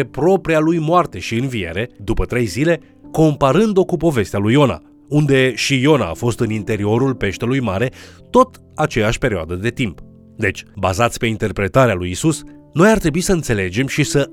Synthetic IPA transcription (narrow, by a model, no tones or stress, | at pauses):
epɾo̞pɾialujmoart̪e̞ʃiɨnvie̞̰ɾe̞d̪upət̪ɾe̞jzile̞ | ko̞mpaɾɨnd̪o̞kupo̞ve̞st̪ealujo̞na̰ | und̪e̞ʃijo̞na̰ːfo̞st̪ɨnint̪e̞ɾio̞ɾulpe̞ʃt̪elujmaɾe̞t̪o̞t̪ | at͡ʃe̞jaʃʲpe̞ɾioad̪əd̪e̞t̪imp | d̪e̞t͡ʃʲbazat̪sʲpe̞int̪e̞rpɾe̞t̪aɾealujisus | no̞jart̪ɾe̞buisəɨnt̪se̞le̞d͡ʒe̞mʃisə